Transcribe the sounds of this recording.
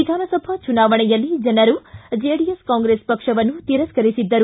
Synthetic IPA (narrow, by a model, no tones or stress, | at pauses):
id̪ʱaːnɐsɐbʱat͡ʃunaːʋɐɳɐjɐlːid͡ʒɐnɐɾud͡ʒeːɖijeskaːŋɡɾeːspɐkʂɐʋɐnut̪iːɾɐskɐɾisid̪ːɐɾu